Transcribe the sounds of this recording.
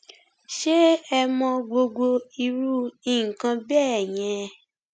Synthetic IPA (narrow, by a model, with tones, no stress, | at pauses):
ʃe˦ɛ˧mɔ̃˧ɡ͡bo˧ɡo˧i˧ɾu˦i˦˨kã˧bɛː˦ɛ˨j̃ɛ̃˨˧